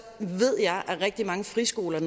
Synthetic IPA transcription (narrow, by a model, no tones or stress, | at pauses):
ʋe̝ð̞̰ˠjɑ̈ɪʔæʁɛɡ̥̚d̥imɑ̈ŋəfʁisɡ̥o̝̰ːlɐn